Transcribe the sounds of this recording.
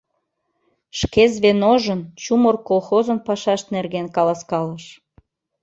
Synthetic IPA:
ʃkezβenoʒənt͡ɕumərkolxozənpɑʃɑʃt̪nerɣenkɑlɑskɑləʃ

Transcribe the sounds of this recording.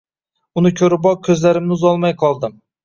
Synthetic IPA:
ʊnɪkʲʰɵɾɪbɒkʲʰɵzlaɾɪmnɪʊzɒlˠmajqʰɒlˠd̪ɪm

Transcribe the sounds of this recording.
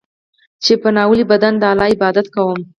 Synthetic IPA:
t͡ʃepənɑwəlibad̪and̪əalɑɪbɑd̪at̪kawəm

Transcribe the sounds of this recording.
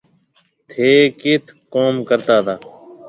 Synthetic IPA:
t̪ʰeːkɪt̪ʰkoːmkəɾt̪aːt̪ʰaː

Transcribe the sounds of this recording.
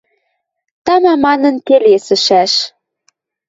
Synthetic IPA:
t̪ɑmɑmɑnɤ̆nkelesə̆ʃæʃ

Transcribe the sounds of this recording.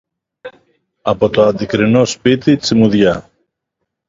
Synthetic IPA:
ɐpo̞t̪o̞ɐnd̪ikɾino̞spit̪it͡simuðʝɐ

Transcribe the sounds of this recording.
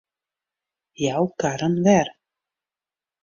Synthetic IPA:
jaːwkaɾanvɛɾ

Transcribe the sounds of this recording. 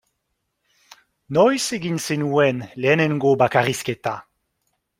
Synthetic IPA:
nɔjseɡinsenuɛnlɛnɛnɡobakaʁiskɛt̪a

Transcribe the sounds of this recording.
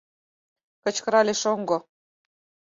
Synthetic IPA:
kə̆t͡ɕkɤ̆ɾɑlʲeʃoŋɡo

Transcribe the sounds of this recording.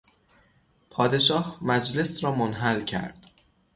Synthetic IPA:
pʰɒːd̪e̞ʃɒːhmæd͡ʒle̞sɾɒːmonɦælcʰæ̰ɾd̪̥

